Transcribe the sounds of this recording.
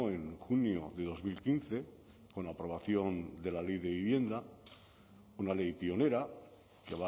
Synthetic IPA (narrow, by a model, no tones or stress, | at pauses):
oe̞ŋxunjo̞ðe̞ðo̞zmilkin̟θe̞ | ko̞napɾo̞β̞aθjo̞nd̪e̞lale̞jðe̞βiβje̞nd̪a | unale̞jpio̞ne̞ɾa | keβa